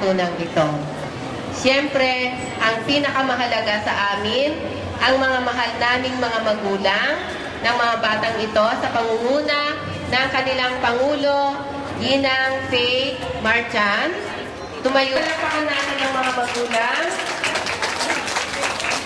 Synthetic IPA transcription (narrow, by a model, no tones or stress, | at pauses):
uːnɐŋɪt̪o̞ | ʃɛmpɾɛ | ʔɐŋpiːnɐkɐmɐɦɐlɐɡasɐʔaːmɪn | ʔɐŋmɐŋamɐɦalnaːmɪŋmɐŋamɐɡuːlaŋ | nɐŋmɐŋabaːt̪ɐŋɪt̪o̞sɐpɐŋʊŋuːnɐ | nɐŋkɐnɪlaŋpɐŋuːlo̞ | ɡiːnɐŋfɛ | maɹt͡ʃan | t̪ʊmɐjulapɐkɐnamɪnɐŋmɐŋamɐɡuːlaŋ